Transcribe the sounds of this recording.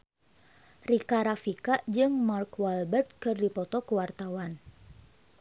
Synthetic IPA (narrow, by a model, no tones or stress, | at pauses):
rikaɾafikad͡ʒɨŋmarkwalbɛrt̪̚kɨrdipɔt̪ɔkəwart̪awan